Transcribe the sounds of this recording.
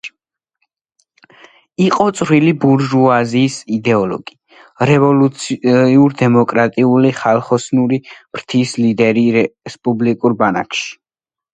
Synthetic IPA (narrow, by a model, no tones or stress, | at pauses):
iqʼɔt̪sʼɾwilibuɾʒuaziːsid̪ɛɔlɔ̰ɡ̥i | ɾɛvɔluiuɾd̪ɛmɔkʼɾat̪ʼiuliχalˠχɔsnuɾim̥ɾt̪ʰislid̪ɛɾiɾɛspʼublikʼuɾbana̰kʰʃi̥